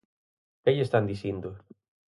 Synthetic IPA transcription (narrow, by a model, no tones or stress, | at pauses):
keʎest̪and̪isind̪ʊ